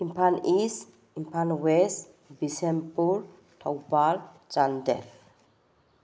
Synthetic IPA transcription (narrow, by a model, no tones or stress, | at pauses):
impʰanis | impʰanwes | bisempuɾ | tʰawbal | t͡ʃandep